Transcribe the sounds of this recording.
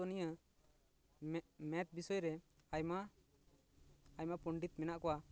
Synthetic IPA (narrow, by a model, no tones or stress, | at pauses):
ɔnijə | mɛt̪̚bisɔjɾɛajma | jmapɔɳɖit̪̚mɛnaʔkɔwa